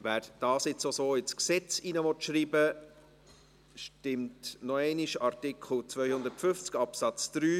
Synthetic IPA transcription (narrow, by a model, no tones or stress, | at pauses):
ʋæːɾd̥ɑːsɪt͡sosoːɪt͡sksɛt͡sinəʋɔtʃɾiːbə | ʃtɪmtnɔɛɪniʃɑɾtɪkʰl̩t͡svœʏhʊnd̪əɾtfʏft͡skɑpsɑt͡sd̪̥ɾyː